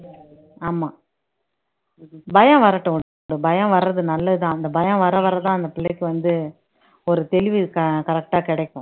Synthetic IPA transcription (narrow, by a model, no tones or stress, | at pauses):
aːmaː | bɐjɐ̃ʋɐɾɐʈːɯ̃ | ɽɯ̃bɐjɐ̃ʋɐɾːɐðɯnɐlːɐðɯt̪ãːɐnd̪ɐbɐjɐ̃ʋɐɾɐʋɐɾɐt̪ãːɐnd̪ɐpɪɭːɐɪkːɯʋɐnd̪ɯ | ɔɾɯt̪ɛlɪʋɯkɐkɐɾɛk̚ʈaːkɪɽɐɪkːʊ̃